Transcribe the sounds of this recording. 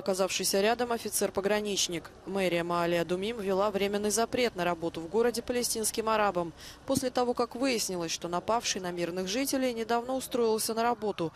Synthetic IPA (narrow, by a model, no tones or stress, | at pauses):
ɐkɐzafʂɨjsʲəɾʲad̪əmɐfʲɪt̪sɛrpəɡɾɐnʲit͡ɕnʲɪkmɛɾʲɪjəmɐalʲɪəd̪ʊmʲimvʲɪlˠavɾʲemʲɪnːɨjzɐpɾʲe̞t̪nəɾɐbo̞t̪ʊvɡo̞ɾədʲɪpəlʲɪsʲtʲinskʲɪmɐɾabəmpo̞sʲlʲɪt̪ɐvo̞kakvɨjɪsʲnʲɪlˠəsʲʂt̪o̞n̪ɐpafʂɨjnɐmʲirnɨxʐɨtʲɪlʲɪjnʲɪd̪avno̞ʊst̪ɾo̞ɪlˠsʲənəɾɐbo̞t̪ʊ